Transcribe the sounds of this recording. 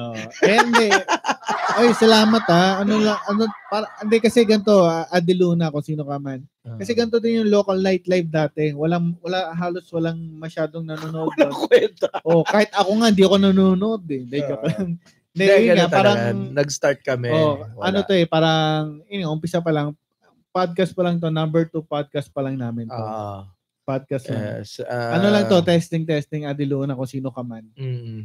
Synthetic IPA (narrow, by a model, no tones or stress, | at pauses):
oɛnd̪ɛ | ʔojsɐlaːmɐt̪aʔɐnolɐŋʔɐnopaɾɐʔnd̪ɛkɐsɛɡɐnt̪o̞ʔad̪ɪluːnɐkʊnsiːnokɐman | kɐsɛɡɐnt̪od̪ɪnjʊŋloːkɐlnajt̪lajfd̪aːt̪ɛwɐlaŋwɐlaɦaːlo̞swɐlaŋmɐʃaːd̪oŋnɐnoːnoʔod̪̚lkwɛnt̪oʔokaːhɪt̪̚ɐkoŋaʔɪnd̪iːʔɐko̞nɐnoːnoʔod̪ɛd̪ɐokɐŋ | d̪ɛjɐŋapaːɾɐŋnɐɡst̪aɹt̪̚kɐmɛoʔʔɐnot̪oɛpaːɾɐŋɪnɛŋʔʊmpɪsɐp̬ɐlɐŋ | ɐ | pad̪̚kɐst̪̚pɐlɐŋt̪̬o̞nɐmbɛɹt̪upad̪̚kɐst̪̚pɐlɐŋnaːmɪnt̪o | pad̪̚kɐst̪laŋsɐnolɐŋt̪o̞t̪ɛst̪ɪŋt̪ɛst̪ɪŋɐd̪ɪluːʔnɐkosiːno̞kɐman̩